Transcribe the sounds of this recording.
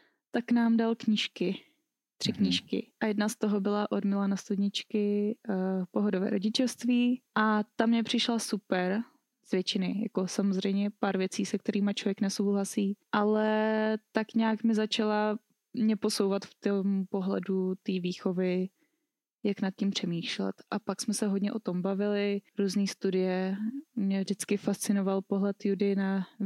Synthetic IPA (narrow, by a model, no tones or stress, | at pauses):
t̪aknaːmdalkɲiːʃkɪ | t̪r̥ɪkɲiːʃkɪ̰ʔajɛdnast̪oɦobɪlaʔo̞dmɪlanast̪udɲɪt͡ʃkɪ | poɦodovɛ̰ːɾoɟɪt͡ʃofst̪viːʔat̪amɲɛpr̝̥ɪʃlasupɛɾ | z̥vjɛt͡ʃɪnɪja̰kosamozr̝ɛjmɲɛpaːɾvjɛt͡siːsɛk̚t̪ɛɾiːmat͡ʃlovjɛknɛsowɦlasiːʔalɛt̪akɲaːkmɪzat͡ʃala | mɲɛpo̞so̞wvat̪ft̪ompo̞ɦlɛdut̪iːviːxo̞vɪ | jaknat̪̚cimpr̝̥ɛmiːʃlɛ̰t̪ʔapaksmɛsɛɦodɲɛʔo̞t̪o̞mbavɪlɪɾuːzniːst̪udɪjɛmɲɛvdɪt͡skɪfast͡sɪno̞valpoɦlɛt̪judɪna